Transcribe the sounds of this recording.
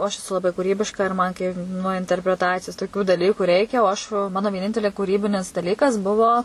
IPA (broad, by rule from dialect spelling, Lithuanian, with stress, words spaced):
oː ˈɐʃ ɛˈsʊ lˠɐˈbɐɪ kuːˈrʲiːbʲɪʃkɐ ɪr ˈmɐn kɐɪ nuɔ ɪnʲtʲɛrʲpʲrʲɛˈtɑːt͡sʲɪjoːs toːˈkʲuː dɐˈlʲiːkʊ ˈrʲɛɪkʲɛ oː ɐʃ ʋɐ ˈmɑːnoː ʋʲiɛˈnʲɪnʲtʲɛlʲeː kuːˈrʲiːbʲɪnʲɪs dɐˈlʲiːkɐs ˈbʊʋoː